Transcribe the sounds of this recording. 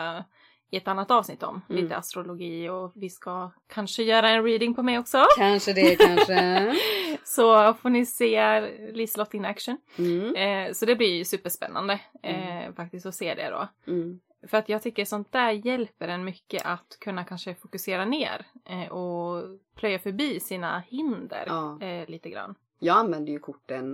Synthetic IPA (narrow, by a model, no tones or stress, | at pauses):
ɪɛt̪anːat̪ːɑːvsnɪt̪ːɔ̰mliːt̪ə̰a̰st̪ɾʊlʊɡiːɔvɪskakʰanʂəjœːɾaɛnɾiːd̪ɪŋpʰɔmɛjɔksɔanʂəd̪ɛkanʂə | sɔfoːnɪseːliːslɔt̪ːɪŋnækʂən | sɔd̪ɛblɪɾsʉ̟ːpəʂpɛ̰nːa̰nd̪ə | fak̚t̪ɪst̪ɔseːd̪ɛ̰d̪ɔ̰ | fœɾat̪jɑːɡ̚t̪ʰʏkːəʂɔnt̪̚d̪æːɾjɛlpːəɖɛnmʏkːə̰ʔat̪kʰɵnːakʰanʂəfʊkɵseːɾanḛːɾʔɔpʰlœjːafœɾbiːsiːna̰hɪnd̪ə̰ɾliːt̪əɡɾa̰nː | jɑːɡanvɛnd̪əjɵkʰʊʈːən